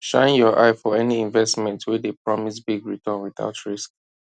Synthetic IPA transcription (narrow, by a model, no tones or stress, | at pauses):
ʃã̰ɪ̃njɔʔaɪfɔɛniĩɱvɛstmɛ̃ntʰwɛdepɹɔmisbiɡɹitʰɔ̃nwiθa̰ʊtʰɹisk